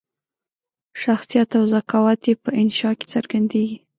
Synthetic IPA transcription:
ʃaxsijat̪awzakawɑt̪jepəʔɪnʃɑke̥t͡səɾɡand̪eɡi

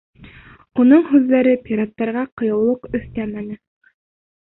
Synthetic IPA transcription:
unɤɴɦʉðːæɾɘpʲiɾat̪ːɑɾʁɑqŏjɤ̆wlˠɤqɵ̆θt̪æmænɘ

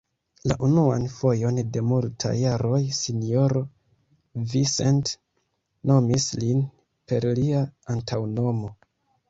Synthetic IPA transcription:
la̰ʔunua̰nfo̞jo̞nde̞multʰa̰jːaɾo̞jsinjo̞ɾo | visent | no̞mislin | pe̞ɾliaantʰawno̞mo̞

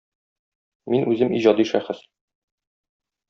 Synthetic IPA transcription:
minʔʉzɘmiʑɒd̪iʃæχɘs

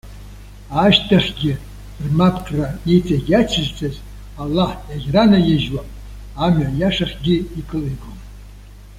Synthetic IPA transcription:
aʃtʰʼaχʲɡʲɪ | rmapʰkʰʼraet͡sʼaɡʲat͡ʃʰɨzt͡sʼʰaz | alːaheɡʲranajeʒwapʼ | amajaʂaχʲɡʲɪikʰʼɨliɡʷom

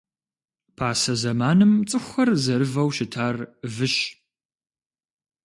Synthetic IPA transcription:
pʰaːsɐzɐmaːnɨmt͡sʼɨxʷɐrzɐɾɨvɐwʃɪtʰaːrvɨʃ

